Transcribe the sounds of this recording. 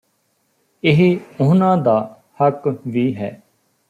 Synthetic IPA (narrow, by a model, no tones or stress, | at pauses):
ɪɦiʊɦnãːd̪aː | həkʋiːɦɛː